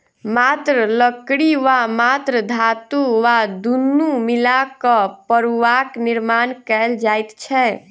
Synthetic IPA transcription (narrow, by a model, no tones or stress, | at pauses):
mat̪ɾələkɽiʋamat̪ɾəd̪ʱat̪uʋad̪unːumilakəpəɾuʋakniɾmankɛld͡ʒajt̪t͡ʃʰɛ